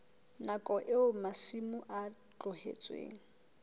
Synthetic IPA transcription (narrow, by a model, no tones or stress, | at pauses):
nakʼɔʔɪʊmasimʊʔa | t͡ɬʼʊhḛt͡sʼwḛːŋ̩